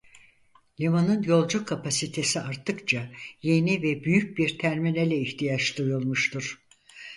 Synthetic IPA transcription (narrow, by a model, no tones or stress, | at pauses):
lʲimanɯnjo̞lˠd͡ʒukʰːapasit̪ʰe̞siaɾt̪ʰɯkt͡ʃʰaje̞nivɛbyjyc̚biɾt̪ʰæɾminelʲɛiçt̪ʰijat͡ʃd̪ˠujulˠmuʃt̪uɾ̥